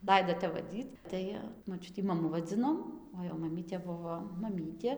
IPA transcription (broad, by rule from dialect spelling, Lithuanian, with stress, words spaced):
ˈlˠɐɪdoː ˈtʲɛp ʋɐˈdʲiːt ˈtɐɪ moːˈt͡ʃʲʊtʲiː mɐˈmʊ ʋɐˈd͡zʲɪnoːm oː jɛʊ mɐˈmʲiːtʲeː ˈbʊʋoː mɐˈmʲiːtʲeː